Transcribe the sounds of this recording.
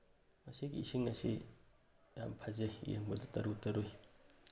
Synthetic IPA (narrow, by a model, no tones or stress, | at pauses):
mɐsiɡiisiŋɐsḭ | ja̰mpʰazejjḛŋbɐdɐtɐɾutɐɾoj